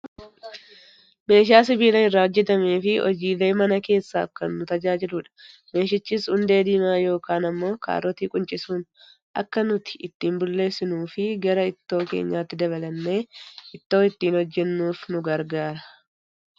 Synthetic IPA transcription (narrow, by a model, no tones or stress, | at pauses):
me̞ːʃ̬aːs̬ɪbiːlɐɪrːaːɔd͡ʒːɛt̪ɐmeːfɪʔɔ̰d͡ʒiːle̞ːmɐnɐke̞ːsːa̰ːkːɐnːʊt̪ɐd͡ʒaːd͡ʒɪluᶑɐ̥ | me̞ːʃ̬ɪt͡ʃːiːshʊnd̪e̞ːd̪iːmaːjo̞ːkaːnɐmːo̞ːka̰ːɾɔt̪iːkʼʊnt͡ʃʼɪsuːn | ʔɐ̰kːɐnʊt̪ɪ̥ɪt̪ːiːmbʊlːe̞ːsːɪnuːfɪɡɐɾɐɪt̪ːo̞ːke̞̰ːɲːaːt̪ːɪd̪ɐβɐlɐnːe̞ːɪt̪ːo̞ːɪt̪ːiːnhɔd͡ʒːɛnːuːfnʊɡɐɾɡaːɾɐ̥